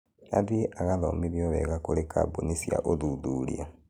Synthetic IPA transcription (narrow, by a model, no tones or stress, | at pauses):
aðieʔaɣaðomiβjoβɛɣakolekʰabonisja̰ʔoðuðulia